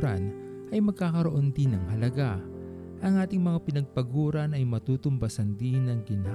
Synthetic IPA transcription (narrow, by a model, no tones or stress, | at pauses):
ɾɐ̰n | ʔɐjmɐɡ̚kaːkɐɾoʔo̞nd̪ɪnɐŋhɐlɐɡa | ʔɐŋʔaːt̪ɪŋmɐŋapɪnɐɡ̚pɐɡuːɾɐnɐjmɐt̪uːt̪ʊmbɐsɐnd̪ɪnɐŋɡɪna